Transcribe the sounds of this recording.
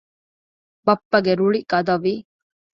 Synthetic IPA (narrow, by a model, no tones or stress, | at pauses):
bɐpːɐɡeɾuɭiɡɐd̪ɐʋiː